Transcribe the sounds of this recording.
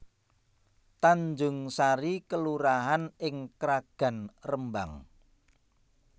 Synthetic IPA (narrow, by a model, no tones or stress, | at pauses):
t̪aɲd͡ʒʊŋsaɾikəluɾaɦanɪŋkɾaɡ̥a̤nrəmba̰ŋ